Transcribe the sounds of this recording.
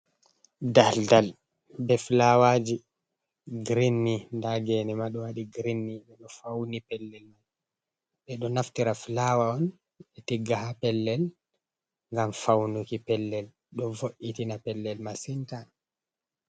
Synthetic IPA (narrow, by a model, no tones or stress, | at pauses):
daldal | bɛflawaːd͡ʒi | ɡɾinːindaɡɛnɛmaɗɔwaɗiɡɾinːiɓɛɗɔfawnipɛlːɛlmaj | ɓɛɗɔnaftiɾaflawaɔn | ɓɛtiɡːahapɛlːɛl | ŋɡamfawnukipɛlːɛl | ɗɔvoʔitinapɛlːɛlmasinta